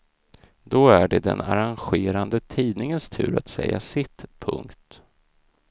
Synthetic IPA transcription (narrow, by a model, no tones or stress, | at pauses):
d̪ɔæɖɛd̪ɛ̰naɾanɧeːɾand̪ət̪ʰiːd̪nɪŋənst̪ʰʉ̟ːɾat̪sɛjːasɪt̪pʰɵ̰ŋkt̪